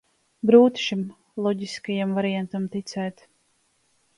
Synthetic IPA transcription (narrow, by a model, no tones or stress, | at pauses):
ɡɾuːt̪ʃim | lˠɔɟiskajamvaɾijant̪amt̪it̪sɛːt̪